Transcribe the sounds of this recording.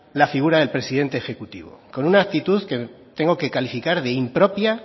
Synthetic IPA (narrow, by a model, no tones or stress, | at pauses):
lafiɣ̞uɾaðe̞lpɾe̞siðe̞nt̪eːxe̞kut̪ḭβo̰ko̞nunaːk̚t̪it̪uðke̞t̪e̞ŋɡo̞ke̞kalifikaɾðe̞impɾo̞pja